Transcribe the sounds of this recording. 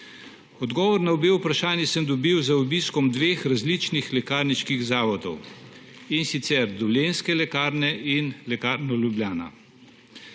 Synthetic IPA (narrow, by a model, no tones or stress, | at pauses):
ɔd̪ɡɔːʋɔɾnaɔbeːwpɾaʃaːnjɛsəmd̪ɔbiwzaɔbiskɔmd̪ʋeːxɾazlit͡ʃnixlɛkaːɾniʃkiɣzaːʋɔt̪ɔ̰w | insit̪sɛɾd̪ɔwljenskɛlɛkaːɾnɛʔinlɛkaːɾnɔlʲjublʲjaːna̰